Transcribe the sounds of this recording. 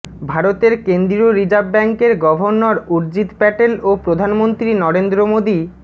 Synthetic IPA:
bʱaɾot̪eɾkend̪ɾioɾid͡ʑabːɛŋkeɾɡɔbʱoɾnoɾuɾd͡ʑit̪pɛʈelopɾod̪ʱanmont̪ɾinɔɾend̪ɾomod̪i

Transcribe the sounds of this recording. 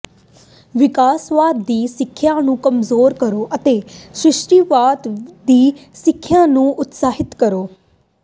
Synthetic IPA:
ʋɪkaːsʋaːd̪d̪iːsɪkʰːjãːnũːkəmzoːɾkəɾoːʔət̪eːsɾɪʃʈiːʋaːd̪d̪iːsɪkʰːjãːnũːʔʊt̪saːɦɪt̪kəɾoː

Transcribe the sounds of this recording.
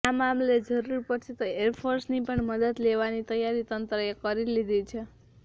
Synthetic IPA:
amamled͡ʒəɾuɾpət͡ʃʰit̪oeɾpʰoɾsnipəɳməd̪əd̪leʋanit̪əjaɾit̪ənt̪ɾəekəɾilid̪ʱit͡ʃʰe

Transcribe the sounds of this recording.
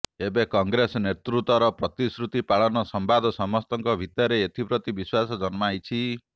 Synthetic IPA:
ebekɔŋɡɾesɔnet̪ɾut̪ɔɾɔpɾɔt̪isɾut̪ipaɭɔnɔsɔmbad̪ʱɔsɔmɔst̪ɔŋkɔbʱit̪ɔɾeet̪ʰipɾɔt̪ibiswasɔd͡ʒɔnmajt͡ʃʰi

